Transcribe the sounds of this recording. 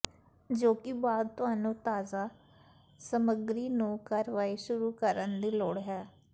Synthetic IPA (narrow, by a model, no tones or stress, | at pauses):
d͡ʒoːkɪbaːd̪̚t̪ʊɦaːnũːt̪aːzaː | səməɡɾiːnũːkəɾʋaːiʃʊɾuːkəɾənd̪iːloːɽɦɛː